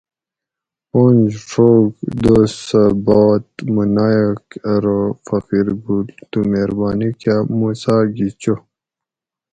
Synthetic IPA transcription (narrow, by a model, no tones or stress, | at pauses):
pond͡ʑʂoɡd̪osəbaːt̪munajokɐɾofɐqiɾɡult̪umeɾbaːnikamusaːɡit͡ɕo